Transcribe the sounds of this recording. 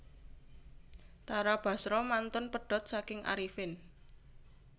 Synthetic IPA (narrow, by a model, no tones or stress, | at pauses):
t̪aɾab̥a̤sɾɔmant̪ʊnpəɖ̥ɔ̤t̪̚sakɪŋʔa̰ɾifɪn